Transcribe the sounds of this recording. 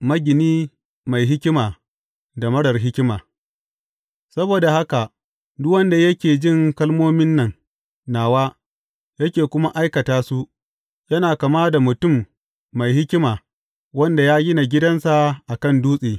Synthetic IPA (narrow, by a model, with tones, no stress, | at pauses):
mɐ˦ɡʲɪ˨niː˦ | ma˨jɦɪ˦kʲɪ˦maː˨ | da˨mɐ˦ɽɐ˨rɦɪ˦kʲɪ˦maː˨ | sɐ˦boː˨da˨ha˦ka˨ | dʊ˦wɐ˦nda˨jɐ˦kʲeː˨d͡ʒɪ˦˨ŋkɐ˦lmoː˦mɪ˦nːɐ˨ŋ | naː˨waː˦ | jɐ˦kʲeː˨kʷʊ˦ma˦ʔa˦jkɐ˨taː˦su˦ʔ | jɐ˦naː˨kɐ˨maː˦da˨mʊ˨tʊ˦˨mː | a˨jɦɪ˦kʲɪ˦maː˨ | wɐ˦nda˨jaː˦ɡʲɪ˦na˨ɡʲɪ˦dɐ˦nsa˨ʔa˨kɐ˦˨nduː˦sʼeː˨